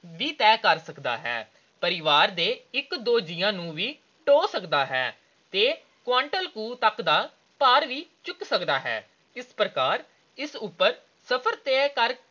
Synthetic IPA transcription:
ʋiːt̪ɛːkəɾsəkd̪a̰ːɦɛ̰ː | pəɾɪʋaːɾd̪eːɪkd̪oːd͡ʒɪjãːnũːʋiː | ʈoːsəkd̪aːɦɛː | t̪eː | kʋaːɳʈəlkuːt̪əkd̪aː | paːɾʋiːt͡ʃʊksəkd̪aːɦɛ̰ː | ɪspɾəkaːɾ | ɪsupːəɾ | səpʰəɾt̪ɛːkəɾ

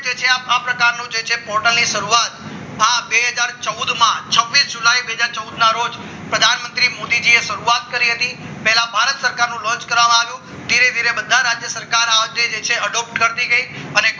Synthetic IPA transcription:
d͡ʒet͡ʃʰeapapɾəkaɾnũd͡ʒet͡ʃʰepɔɾʈəlniʃəɾuat̪ | ɦabeɦəd͡ʒaɾt͡ʃəud̪mãt͡ʃʰəʋːisd͡ʒulaibeɦəd͡ʒaɾt͡ʃəud̪naɾod͡ʒ | pɾəd̪ʱanmənt̪ɾimod̪id͡ʒieʃəɾuat̪̚kəɾiɦət̪ĩ | pɛɦɛlãbʱaɾət̪səɾkaɾnũlɔ̃t͡ʃkəɾʋamãaʋjũ | d̪ʱiɾed̪ʱiɾebəd̪ʱaɾad͡ʒjəsəɾkaɾad͡ʒ̪ed͡ʒet͡ʃʰeəɖɔp̚ʈkəɾt̪iɡəi | əne

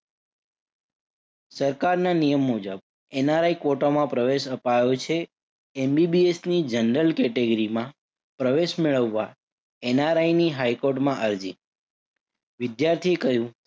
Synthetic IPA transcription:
səɾkaɾnanijəmːud͡ʒəb̚ | enaɾaikʋoʈomãpɾəʋeʃəpajot͡ʃʰe | embibiesnid͡ʒəɳɖəlkɛʈeɡəɾimã | pɾəʋeʃmeɭəʋːa | enaɾajniɦajkoɾʈmãʔəɾd͡ʒḭ | ʋɪd̪jaɾt̪ʰiekəɦjũ

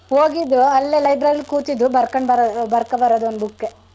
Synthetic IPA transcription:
hoːɡid̪ːuɐlːelɐjbɾɐɾilkuːt̪id̪ubɐɾkɐɳɖbɐɾbɐɾkɐbɐɾɐd̪uond̪bukːe

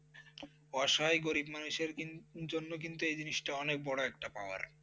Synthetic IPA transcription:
ɔʃajɡoɾibmanuʃeɾd͡ʑonːokint̪uejd͡ʑiniʃʈaɔnek̚bɔɽoɛk̚ʈapa̰oa̰ɾ

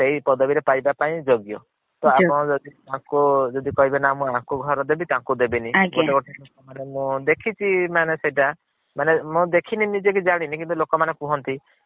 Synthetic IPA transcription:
seipɔd̪ɔbiɾepajbapaĩd͡ʒoɡjɔ | t̪ɔapɔ̃ɔd͡ʒɔd̪iãkud͡ʒɔd̪ikɔɦibenamũãɦkuɡʱɔɾɔd̪ebit̪ãkud̪ebiniɡoʈeɡoʈelokɔmanemũd̪ekʰit͡ʃʰimaneseʈa | manemũd̪ekʰininid͡ʒek̬id͡ʒaɽ̃inĩkint̪ulokɔmanekũɦɔnt̪i

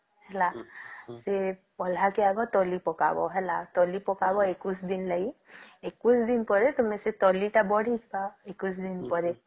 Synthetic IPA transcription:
hɛlasepɔl̤akeaɡɔt̪ɔlipɔka̰bɔ̰ɦɛlat̪ɔlipɔkabɔekusd̪inlaɡi | ekusd̪inpɔɾet̪umeset̪ɔliʈabɔɽ̤ʱit̪ʰbaekusd̪inpɔɾe

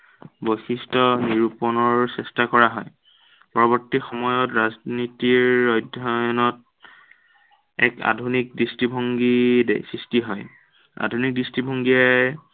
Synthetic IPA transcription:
boxistɔniɹupɔnɔɹsɛstakɔɹaɦɔj | pɔɹɔbɔɹtixɔmɔjɔtɹaznitiɹːɔjdʱɔnɔt | ɛ̰ka̰dʱunik̚distibʱɔŋɡidḛsɹistiɦɔj | a̰dʱunik̚distibʱɔŋɡiaj

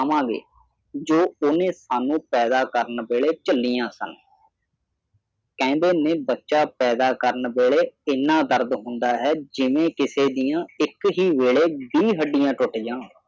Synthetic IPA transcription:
mãːɡḛː | d͡ʒoːʊnẽːsaːnũːpɛːd̪aːkəɾənbeːeːt͡ʃəlːijãːsə̰n | kɛ̃ːnd̪eːnẽːbətːʃaːpɛːd̪aːkəɾənbeːɭeːɪnːãːd̪əɾd̪ɦʊ̃nd̪aːɦɛːd͡ʒɪʋẽːkɪseːd̪ijãːɪkɦiːʋeːɭeːbiːɦəɖijãːʈoʈijãː

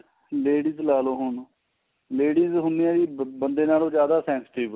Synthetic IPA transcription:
leːɖiːzlaːloːɦʊɳ | leːɖiːzɦʊnːɪãːd̪iːbənd̪eːnaːlõːd͡ʒjaːd̪aːsɛ̃ːnsʈiːb

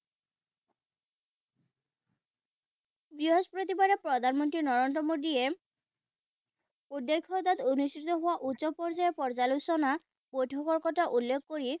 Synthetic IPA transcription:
bɹiɦozpɹot̪ibaɾɔpɹɔd̪ʱanmɔnt̪ɾinɔɹɔndɾɔmod̪ie | ud̪ːekʰːɔd̪at̪onustʰit̪ɔɦowaʔutːʃɔpɔɹzajepɔɹzalusɔna | bojʈʰɔkɔɹkɔtaʔulːekʰkoɹi

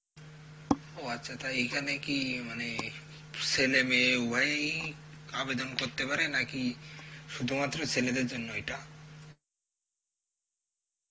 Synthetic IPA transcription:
oatːʃʰat̪aejkʰanekimane | selemeua | abed̪onkoɾt̪epaɾenakiʃud̪ʱumat̪ːɾosʰeled̪eɾd͡ʒonːoejʈa

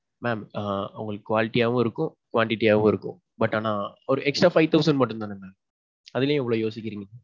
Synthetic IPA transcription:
mɛːmːɐʋʊ̰ŋɡɐɭɯkːɯkʋaːlɪʈːijaːʋʊ̃ɪɾɯkːʊ̃kʋaːɳʈɪʈːijaːʋʊ̃ɪɾɯkːʊ̰̃ | bɐʈːaːnaːɔɾɯʔɛksʈɾaːfɐɪt̪ɐʊsɐɳɖmɐʈːɯ̃nt̪aːnɐna | ɐðɪljẽɛʋːɐɭoːjoːsɪkʲːɪɾiːŋɡɐ

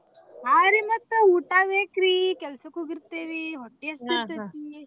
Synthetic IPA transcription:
ɦaɾimɐt̪ːəuʈaʋekɾikɛlsəkuɡiɾt̪eʋiɦoʈːiɐst̪iet̪i

